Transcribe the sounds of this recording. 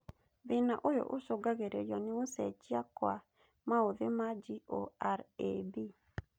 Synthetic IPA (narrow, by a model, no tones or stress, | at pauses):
ðɪnaʔojo̰ʔosoɡaɣeɾejɔnɪosɛt͡ʃiakwa | maoðemad͡ʒioaɾḛbi